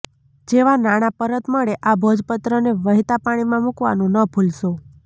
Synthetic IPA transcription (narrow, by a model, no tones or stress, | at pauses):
d͡ʒeʋanaɽ̃apəɾət̪məɭeʔabʱod͡ʒpət̪ɾəneʋəɦit̪apaɽ̃imãmukʋa̰nũnəpʰulʃo